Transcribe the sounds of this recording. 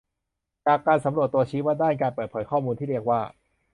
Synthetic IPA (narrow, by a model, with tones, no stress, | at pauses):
t͡ɕaː˨˩kːaː˧nsa˩˦mɾu˨˩ət̪ːu˧ɐt͡ɕʰiː˦˥waː˥˩daː˥˩njkaː˧npɤː˨˩t̪̚pʰɤː˩˦jkʰɔː˥˩muː˧nt̪i˥˩ɾi˥˩ək̚waː˥˩